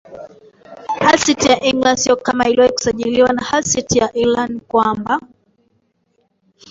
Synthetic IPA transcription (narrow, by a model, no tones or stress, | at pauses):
hasitijaʔiŋɡlandsiɔkamailiwaiku̥saʄiliwanahasitijaʔilankwamba